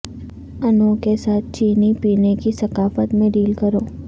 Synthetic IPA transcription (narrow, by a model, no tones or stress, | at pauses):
ɐnokesaːt̪̚ʰt͡ʃiːnipiːnekisɐkaːfət̪mẽɖiːlkɐɾoː